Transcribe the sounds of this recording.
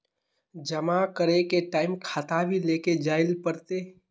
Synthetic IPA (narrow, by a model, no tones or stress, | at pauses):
d͡ʒəmakəɾekeʈaːɪmkʰaːt̪abʱileːked͡ʒaːɪlpəɾt̪eː